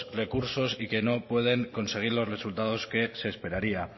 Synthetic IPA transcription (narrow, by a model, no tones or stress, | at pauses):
re̞kuɾso̞sike̞no̞pwe̞ð̞e̞ŋko̞nseɣ̞iɾlo̞zre̞sult̪að̞o̞ske̞se̞ːspe̞ɾaɾia